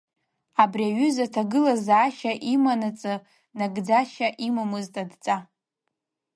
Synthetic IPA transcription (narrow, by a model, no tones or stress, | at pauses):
abriaɥʏzatʰaɡɨlazaːʃaʔimanat͡sʼɨ | naɡd͡zaʃaʔimamɨztʼadt͡sʼa